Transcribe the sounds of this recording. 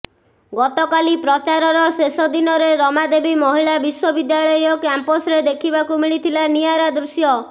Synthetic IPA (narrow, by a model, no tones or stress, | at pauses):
ɡɔt̪ɔkalipɾɔt͡ʃaɾɔɾɔsesɔd̪inɔɾeɾɔmad̪ebimɔɦiɭabiswɔbid̪jaɭɔjjɔkamposɾed̪ekʰibakumiɭit̪ʰilanijaɾad̪ɾusjɔ